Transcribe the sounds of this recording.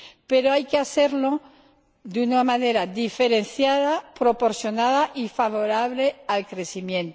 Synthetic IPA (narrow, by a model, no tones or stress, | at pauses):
pe̞ɾoajkeaθe̞ɾlo | d̪unamãne̞ɾaðife̞ɾe̞nθjaðapɾo̞po̞ɾsjo̞naðaʔifaβo̞ɾaβ̞le̞alkɾe̞simjẽ̞nt̪